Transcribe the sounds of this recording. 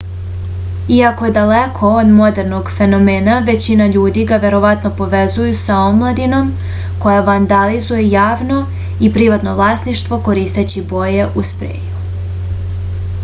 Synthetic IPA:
iakoje̞d̪alekʰo̞od̪mo̞d̪e̞ɾno̞ɡfe̞no̞meːnaʋe̞t͡ɕinaʎuːd̪iɡaʋe̞ɾo̞ʋat̪no̞po̞ʋe̞zujusaomlˠad̪ino̞m | ko̞jaʋand̪alizujejaːʋno̞ | ipɾiʋat̪no̞vlˠaːsniʃt̪ʋo̞ko̞ɾiːst̪et͡ɕibo̞je̞ʔuspɾḛːju

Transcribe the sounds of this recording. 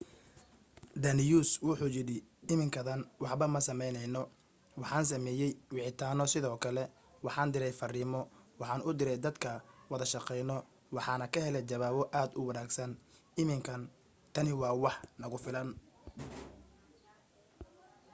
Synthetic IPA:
d̪ɐnɪjuːswʊħuːt͡ʃɪɽɪɪmɪŋkʰɐðɐnwɑħbɐmɐsɐmɛjnɛjnɔ | wɑħɑːns̬ɐmɛːjɛjwɪʕɪt̪ʰaːnɔsɪðɔːkʰɐlɛ | wɑħɑːnd̪ɪɾɛjfɐriːmɔwɑħɑːnʊd̪ɪɾɛjd̪ɐd̪kʰɐwɐðɐʃɑqɛjnɔ | wɑħɑːnɐkʰɐhɛlɛjt͡ʃɐβaːβɔʔaːd̪ʊwɑnaːɡsɐn | ɪmɪŋkʰɐn | t̪ʰɐnɪwɑːwɑħnɐɣʊfɪlɐn

